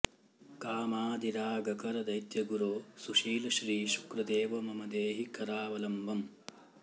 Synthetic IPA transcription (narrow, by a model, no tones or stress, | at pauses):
kaːmaːd̪iɾaːɡɐkɐɾɐd̪ɐjt̪jɐɡuɾoːsuʃiːlɐʃɾiːʃu̥kɾɐd̪eːʋɐmɐmɐd̪eːɦikɐɾaːʋɐlɐmbʱɐm